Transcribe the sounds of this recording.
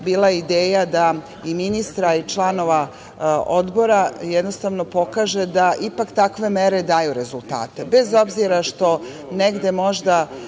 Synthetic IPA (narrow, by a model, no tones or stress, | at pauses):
biːlˠajid̪eːjad̪a | iminist̪ɾait͡ʃlˠano̞ʋa | o̞d̪bo̞ɾajɛd̪nost̪aʋno̞po̞kaːʒe̞d̪aʔipakt̪akʋe̞me̞ɾe̞d̪aːjuɾe̞zulˠt̪a̰ːt̪ebe̞zo̞bziɾaʃt̪o̞ | neɡd̪emo̞ʒd̪a